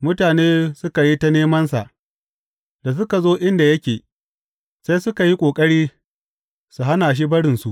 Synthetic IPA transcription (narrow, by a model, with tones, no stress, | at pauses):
mʊ˦taː˨neː˦sʊ˦ka˨ji˦ta˦neː˦mɐ˦nsa̰˨ʔ | da˨s̬ʊ˦ka˨zoː˦ʔɪ˦nda˨jɐ˦kʲeː˨ | se˦jsʊ˦ka˨ji˦kʷʼoː˨kʼɐ˦ɽiː˦ | su˨ɦa˦naː˨ʃ̬i˦bɐ˦ɽɪ˨nsu˨ʔ